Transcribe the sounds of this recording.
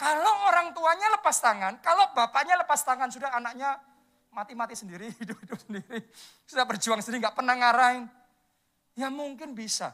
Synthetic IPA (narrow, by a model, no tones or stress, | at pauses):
kaloʔoɾaŋt̪uaɲaləpast̪aŋankalob̥apaɲaləpast̪aŋansudaɦanak̚ɲa | mat̪imat̪isəndiɾiɦidʊp̚ɦidʊp̚səndiɾi | sudahbərd͡ʒuaŋsəndiɾiŋɡaʔpənahŋaɾaɪn | jamuŋkɪnbisa̰